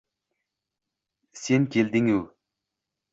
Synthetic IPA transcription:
senkʰʲeld̪ɪŋuw

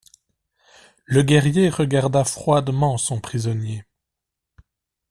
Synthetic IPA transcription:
ləɡɛʁjeʁəɡaʁd̪afχwad̪mɑ̃sɔ̃pχizɔnje

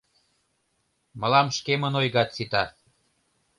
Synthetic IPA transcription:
məlɑmʃkemənojɣɑt̪t͡sit̪ɑ

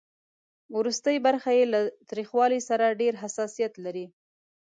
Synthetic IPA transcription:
wɾust̪əjbaɾxajelat̪ɾixwɑlisaɾaɖeɾɦasɑsijat̪laɾi

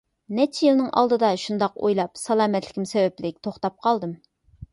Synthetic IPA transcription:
nɛt͡ʃʰjilˠnɨŋʔɑ̰lˠd̪ɨd̪ɑʃund̪ɑqo̰jlˠɑpsɑlˠɑːmɛt̪lɪkʲimsɛwɛplɪk̚ʲt̪ʰoχt̪ɑp̚qʰɑlˠd̪ɨm

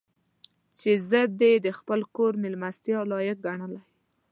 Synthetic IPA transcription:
t͡ʃezəd̪̚d̪ed̪əxpəlkoɾmɪlmast̪jɑlɑjək̚ɡaɳəlaj

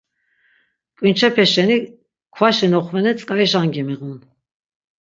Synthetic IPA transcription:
kʼint͡ʃʰɛpʰɛʃɛni | kʰwaʃinɔχvɛnɛt͡sʼkʼaiʃaŋɡɛmɛʁun

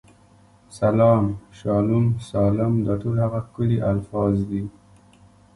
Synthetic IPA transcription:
salɑːmʃɑlumsɑlɪmd̪əʈolhaɣakʊliʔalfɑzd̪i

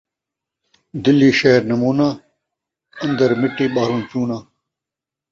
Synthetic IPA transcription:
d̪ilːiːʃɐɦeɾnɐmuːnaː | ɐ̃nd̪ɐɾmɪʈːiːɓaːɾũːt͡ɕuːnaː

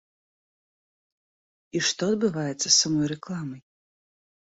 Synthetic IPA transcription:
iʂt̪ɔɐd̪̚bɨvajɛt̪sːɐsamɔjɾɛklˠamɐj

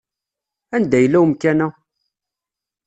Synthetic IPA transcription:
ænd̪æjəlːæwmkænæ

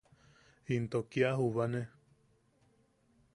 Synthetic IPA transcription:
int̪okiaɦuβane

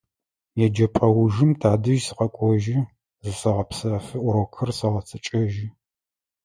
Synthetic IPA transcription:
jɛd͡ʒɐpʼɐwʊʒɪmtʰaːdɨʒsɨqɐkʷʼɔʒɪ | zɨsɐʁɐpsɐfɨʔʷʊɾɐwkʰɨrsɐʁɐt͡sʰɐt͡ʃʼɐʒɪ

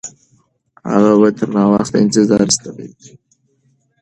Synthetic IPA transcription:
ha̰ɣabat̪ʰəɾnɑwaxt̪a̰ɪnt̪ɪzɑɾst̪abḛɡi

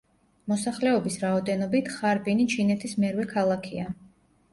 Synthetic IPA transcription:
mɔsaχlɛɔbisɾaɔd̪ɛnɔbit̪ʰχaɾbinit͡ʃʰinɛt̪ʰismɛɾwɛkʰalˠakʰia

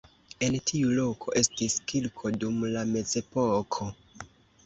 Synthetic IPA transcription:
e̞ntʰiulo̞kʰo̞̰ʔe̞stiskilkʰo̞dumlame̞d͡ze̞pokʰo̞

